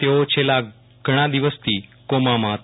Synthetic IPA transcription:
t̪eot͡ɕela | ɡɽ̃ãd̪iʋəst̪iːkomamat̪

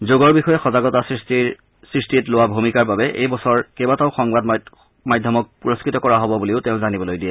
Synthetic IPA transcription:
zoɡɔɹbixɔjɛxɔzaɡɔtasɹisti | sɹistitlowabʱumikaɹbabɛʔejbɔsɔɹkebataʊxɔŋbad | majdʱjɔmɔk̚puɹoskɹitɔkɔɹaɦɔbɔbuleʊteʊ̃zanibɔlojdiɛ

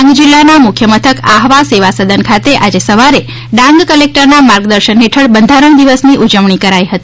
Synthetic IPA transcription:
ŋɡd͡ʒilːanamʊkʰjəmət̪ʰəkaɦʋaseʋasəd̪ʱənkʰat̪eʔad͡ʒesəʋaɾe | ɖãŋɡkəlek̚ʈəɾnamaɾɡd̪əɾʃənɦeʈʰəɭbənd̪ʱaɾəɳ̃d̪iʋəsniʔud͡ʒəʋɳikəɾajɦət̪i

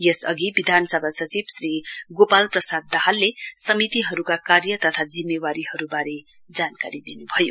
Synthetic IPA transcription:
jesʌ̰ɡibid̪ʱanʌsʌbʱasʌt͡sibsriɡopalprʌsad̪ːaɦalːesʌmit̪iɦʌɾukakarjʌt̪ʌt̪ʰad͡zimːewaɾiɦʌɾubaɾe | d͡zankaɾid̪inubʱʌjo

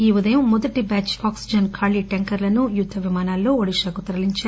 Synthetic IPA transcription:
iːud̪ɐjɐmːɔd̪ɐʈibaːt͡ʃaːksid͡ʒɐnkʰaːliʈeŋkɐɾlɐnujud̪ʰʱːɐʋimaːnaːlːoːɐɽiʂaːkut̪ɐɾɐliɲt͡ʃaː

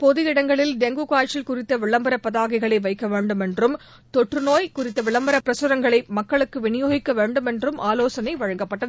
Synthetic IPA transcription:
pɔðɯjɪɽɐŋɡɐɭɪlɖ̪ɛŋɡukaːt͡ʃːɪlkʊrɪt̪ːɐʋɪɭːɐmbɐɾɐpːɐðaːɣɪɣɐɭɐɪʋɐɪkːɐʋeːɳɖɯmɛndrɯm | t̪ɔʈrɯnoːjkʊrɪt̪ːɐʋɪɭɐmbɐɾɐpːɪɾɐsɯɾɐŋɡɐɭɐɪmɐkːɐɭɯkːɯʋɪnɪjoːɣɪkːɐʋeːɳɖɯmɛndrɯmaːloːsɐnɐɪʋɐɻɐŋɡɐpːɐʈːɐ

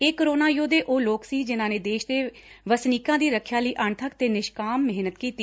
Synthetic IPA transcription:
eːkəɾoːnaːjoːd̪eːʔoːloːksiːd͡ʒɪnãːneːd̪eːʃd̪eːʋəsniːkãːd̪iːɾəkʰjaːləiːʔəɳt̪ʰəkt̪eːnɪʃkaːmːɪɦnət̪kiːt̪iː

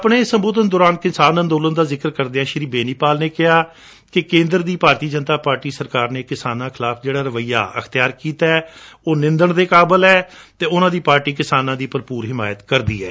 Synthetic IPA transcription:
əpɳeːsəmboːd̪ənd̪oːɾaːnkɪnsaːnə̃nd̪oːlənd̪aːzɪkəɾkəɾd̪eãːʃɪɾiːbeːniːpaːlneːkɪɦaː | kɪkẽːnd̪ɾd̪iːpaːɾt̪iːd͡ʒənt̪aːpaːɾʈiːsəɾkaːɾneːkɪsaːnãːkʰɪlaːfʰd͡ʒeːɽaːɾəʋəiːa̰ːʔəkʰt̪ɪjaːɾkiːt̪aɛːoːnɪ̃nd̪əɳd̪eːkaːbəlɛːt̪eːʊnãːd̪iːpaːɾʈiːkɪsaːnãːd̪iːpəɾpuːɾɦɪma̰ːjət̪kəɾd̪ḭːɛ̰ː

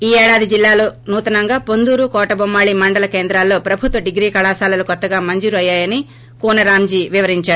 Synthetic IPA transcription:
iːɛːɽaːd̪id͡ʒilːaːloːnuːt̪ɐnɐŋɡaːpond̪uːɾukɔːʈɐbɐmːaːɭimɐɳɖɐlɐke̞ːnd̪ɾaːlːo̞ːpɾɐbʱut̪ʋɐɖiɡɾiːkɐɭaːsaːlɐlukɔt̪ːɐɡaːmɐɲd͡ʒuːɾuɐjːaːjɐni | kuːnɐɾaːmd͡ʒiːʋiʋɐɾiɲt͡ʃaːɽu

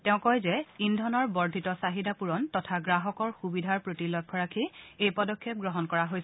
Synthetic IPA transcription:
tɛʊ̃kɔjzɛindʱɔnɔɹbɔɹdʱitɔsaɦidapuɹɔntɔtʰaɡɹaɦɔkɔɹxubidʱaɹpɹotilɔkʰːɔɹakʰiejpɔdɔkʰːɛp̚ɡɹɔɦɔnkɔɹaɦojsɛ

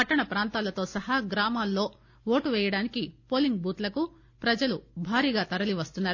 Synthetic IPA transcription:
ɐʈːɐɳɐpɾaːnt̪aːlɐt̪o̞ːsɐɦɐɡɾaːmaːlːo̞ː | ʋo̞ːʈuʋɛːjɐɽaːnikipo̞ːliŋɡ̚buːt̪lɐku | pɾɐd͡ʒɐlubʱaːɾiːɡaːt̪ɐɾɐliʋɐst̪unːaːɾu

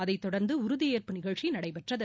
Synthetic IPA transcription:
ɐðɐɪt̪ːɔɽɐɾnd̪ɯʊɾʊðɪjeːɾpɯnɪɣɐɭt͡ʃinɐɽɐɪpɛʈrɐðɐ

